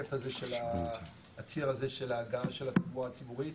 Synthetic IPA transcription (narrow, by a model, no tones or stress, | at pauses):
efazeʃelaː | t͡siʁaze̞ʃe̞laɡalʃelat̪idmuaːt͡sibuʁi